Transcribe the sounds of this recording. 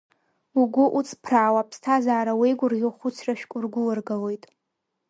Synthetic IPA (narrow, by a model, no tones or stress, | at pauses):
uɡʷʊʔut͡sʰʼpʰraːwapʰstʰazaːɾawejɡʷʊrɡʲɪlχʊt͡sʰraʃᶣkʷʼʊrɡʷʊlɨrɡalojtʼ